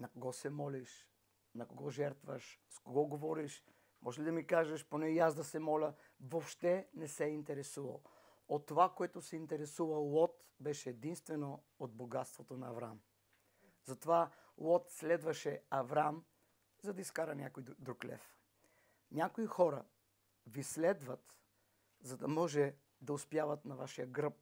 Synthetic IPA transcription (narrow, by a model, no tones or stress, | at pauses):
nɐkoɡɔsɛmɔliʃ | nɐkoɡɔʒɛɾt̪vɐʃskoɡɔɡovɔɾiʃ | mʔɔʒɛlid̪ɐmikaʒɐʃponɛjazd̪ɐsɛmɔlʲɐ | vopʃt̪ɛnɛsɛint̪ɛɾɛsuvɐ̰lˠ | ot̪ːovakoɛt̪osɛint̪ɛɾɛsuvɐlˠɔt̪ | bɛʃɛːd̪inst̪vɛno | od̪boɡat̪st̪vot̪onɐːvɾa̰m | zɐt̪ovalˠɔt̪slɛd̪vɐʃɛɐvɾam | zɐd̪ɐiskaɾɐnʲakojid̪ɾuklʲɛ̰f | nʲakoixɔɾɐ | vislɛd̪vɐt̪ | zɐd̪ɐmɔʒɛ | d̪ɐʊspjavɐt̪nɐvaʃijəɡɾəp̚